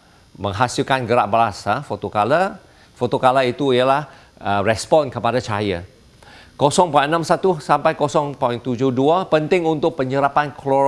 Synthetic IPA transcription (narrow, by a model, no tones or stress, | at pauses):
mə̃ŋɦasilkanɡəɾaʔ̚balasafot̪okala | fot̪okalait̪uijalah | ərɛspɔ̃nkəpadat͡ʃaja | kosɔŋpɔjʔənãmsat̪usampajkosɔŋpɔjŋt̪ud͡ʒʊhduapənt̪ɪŋunt̪ʊk̚pəɲəɾapankʰlɔ